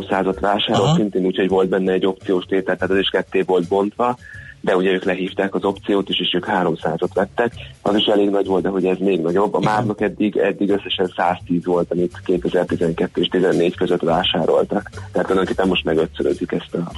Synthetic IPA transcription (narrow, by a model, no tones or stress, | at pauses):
msaːzɒt̪ʋaːʃaːɾo̞lt̪sint̪eːnuːcho̞ɟvo̞lt̪̚bɛnːɛɛɟːo̞p̚t̪sijoːʃt̪eːt̪ɛlt̪ɛɦaːt̪ɒziʃkɛt̪ːeːvo̞lt̪̚bo̞nt̪ʋɒd̪ɛuɟɛøːklɛɦiːft̪aːkɒzo̞pt̪sijoːt̪eːʃeːʃøːkhaːɾo̞msaːzɒt̪ʋɛt̪ːɛkɒziʃɛleːɡnɒɟʋo̞lt̪ɛɦo̞ɟɛzmeːɡnɒɟo̞bːɒmaːrnɒkɛd̪ːiɡɛ̰d̪ːiɡøsːɛʃɛnsaːst̪iːzʋo̞lt̪ɒmit̪keːt̪ɛzɛrt̪izɛŋkɛt̪ːøeːʃt̪izɛnːeːɟkøzøt̪ʋaːʃaːɾo̞̰lt̪ɒk̪t̪ɛæt̪ːolɛd̪oŋkeːpːɛmo̞ʃt̪mɛɡøt̪søɾø̰zikɛst̪ɒ